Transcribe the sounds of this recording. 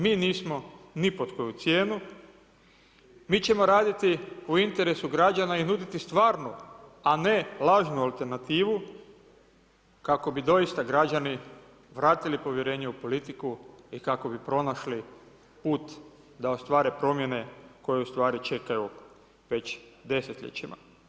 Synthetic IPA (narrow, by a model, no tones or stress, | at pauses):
miːniːsmo̞nipot̪ko̞jut̪sjeːnu | miːt͡ɕe̞mo̞ɾaːd̪it̪iuint̪e̞ɾesuɡɾad͡ʑanainud̪it̪ist̪ʋaːɾnuane̞laːʒnualˠt̪e̞ɾnat̪iːʋu | kako̞bid̪o̞ist̪aɡɾad͡ʑani | ʋɾaːt̪ilipo̞ʋje̞ɾe̞ːɲeupo̞lit̪ikuikako̞bipɾo̞naʃli | puːt̪ | d̪ao̞st̪ʋaːɾepɾo̞mje̞ne̞ko̞jeust̪ʋaːɾit͡ʃe̞kaju | ʋe̞t͡ɕd̪e̞se̞t̪ʎḛt͡ɕima̰